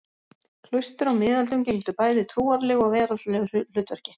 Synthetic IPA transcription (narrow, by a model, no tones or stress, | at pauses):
kʰl̥ʏɥst̪ʏɾawmɪːðalt̪ʏmcej̪t̪ʏpaːjðɪt̪ʰɾuːaɾlɪɣɔɣvɛːɾaʏl̥ʏːt̪vɛɾ̥cɪ̥